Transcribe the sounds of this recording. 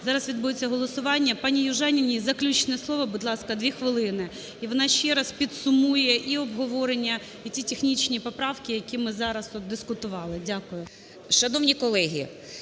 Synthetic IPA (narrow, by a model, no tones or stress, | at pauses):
zɑɾɐsʋʲid̪̚bujet͡sʲːɐɦɔlˠɔsʊʋɑnʲːɐpɑnʲijʊʒɛnʲinʲizɐklʲut͡ʃnɛslˠɔʋɔbʊd̪lˠɑskɐd̪ʲʋʲixʋɪlˠɪnɪ | iʋɔnɑʃt͡ʃɛɾɐspʲid̪sʊmujɛʔiɔbɦɔʋɔɾenʲːɐ | itʲitʲexnʲit͡ʃʲnʲipɔpɾɑwkʲɪjɐkʲimɪzɑɾɐsɔt̪d̪d̪ɪskʊt̪ʊʋɑlˠɪdʲakʊjʊ | ʃt͡ʃɔnɔwnʲikɔlˠɛɦʲḭ